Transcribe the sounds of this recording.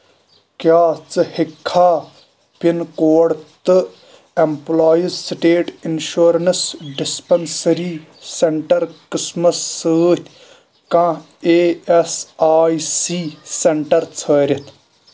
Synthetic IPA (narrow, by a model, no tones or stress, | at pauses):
kjaːt͡sɨhikʰːaː | pinkoːɽt̪ɨ | emplaːjizsʈeːʈinʃuːɾɐnsɖɪspɐnsɐɾiːseɳʈɐɾkɪsmɐsːəːt̪ʲʰ | kã | eːesaːisiːseɳʈɐɾt͡sʰəːɾʲɐt̪ʰ